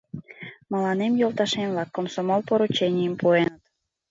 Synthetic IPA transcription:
mɑlɑnemjolˠt̪ɑʃemlɑkːomsomolˠpoɾut͡ɕenʲijəmpuenət̪

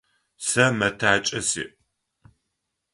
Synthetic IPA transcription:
sɐmɐtʰaːt͡ʃʼɐsḭːʔ

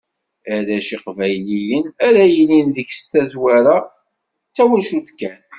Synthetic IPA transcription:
æɾæʃiqvæjlijənæɾæjəlinðəçst̪æzwæɾa | t͡sːæwəlʃud̪kːæn

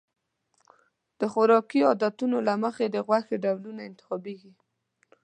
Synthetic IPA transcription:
d̪̥əxʊɾɑkiɔd̪at̪unolaməxed̪əɣwaxeɖawlunaɪnt̪ɪ̥xɑbeɡi

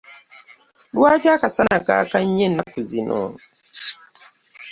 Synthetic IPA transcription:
lwad͡ʒakasanaka̰kaɲenakuzinʔɔ̰

